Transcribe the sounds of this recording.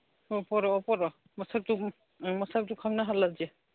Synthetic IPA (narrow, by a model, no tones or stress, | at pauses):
ɔpɔɾɔɔpɔɾɔ | mɔsak̚tu | mɔsak̚tʊkʰamnaɦalazɛ